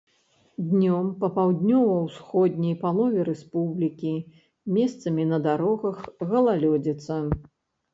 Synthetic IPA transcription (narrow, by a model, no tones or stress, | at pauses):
d̪ʲnʲɔmpɐpawd̪ʲnʲɔvɐwsxɔd̪̚ʲnʲɐjpalˠɔvʲɛɾɛspublʲikʲi | mʲɛst̪sɐmʲinɐd̪aɾɔɣɐxɣɐlˠalʲɔd͡zʲit̪sːɐ